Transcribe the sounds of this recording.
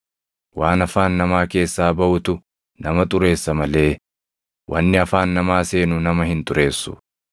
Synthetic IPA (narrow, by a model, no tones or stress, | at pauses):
waːnɐfaːnːɐmaːke̞ːsːaːbɐʔʊt̪ʊ | nɐmɐt̪ʼʊɾe̞ːsːɐmɐle̞ː | wʔɐnːɪɐfaːnːɐmaːseːnʊnɐmɐhɪnt̪ʼʊɾe̞ːsːʊ̥̰